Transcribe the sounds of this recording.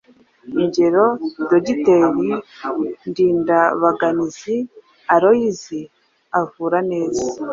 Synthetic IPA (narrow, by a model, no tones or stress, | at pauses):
iɲɟe̞ɾo̞doɟite̞ɾi | ndiːndaβaɡanizi | aɾo̞jizi | avuːɾane̞ːza